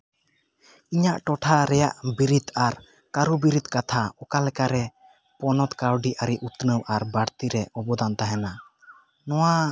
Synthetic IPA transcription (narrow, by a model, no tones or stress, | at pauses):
iɲaʔʈɔʈʰaɾɛjaʔbiɾit̪aɾ | kaɾubiɾit̪kat̪ʰaɔkalɛkaɾɛ | pɔnɔt̪kawɖiʔaɾiʔut̪nəwʔaɾbaɽt̪iɾɛɔbɔd̪ant̪aɦɛna | nɔwa